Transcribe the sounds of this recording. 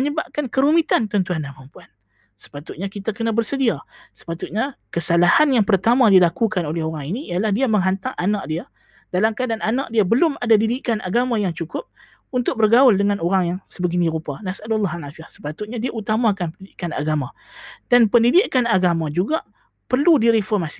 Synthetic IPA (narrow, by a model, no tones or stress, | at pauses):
məɲəbap̚kankəɾumit̪ant̪ənt̪uanamampuan | sə̥pat̪ʊt̪̚ɲakit̪akənabərsədiasə̥pat̪ʊt̪̚ɲakəsalahanjaŋpərt̪amadilakukanolɛhoɾaŋiniːalahdiaməŋɦant̪aŋʔanaʔ̚dia | d̥alamkadananaʔ̚diabəlʊmadadidiʔkana̰ɡamãjaŋt͡ʃukʊp̚ | unt̪ʊk̚bərɡaʊldəŋanoɾaŋjaŋsəbəɡiniɾupanasadlːɑɦalafiahsə̥pat̪ʊt̪̚ɲadiaut̪amakanpəndidiʔkana̰ɡamã | d̥anpəndidiʔkanaɡamãd͡ʒuɡa | pərludiɾifɔrmasi̥